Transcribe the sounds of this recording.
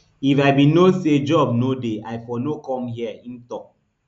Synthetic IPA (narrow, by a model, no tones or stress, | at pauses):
ifaɪbinosed͡ʒɔb̚nodeaɪfɔnokɔ̃mɦiɛĩntɔk̚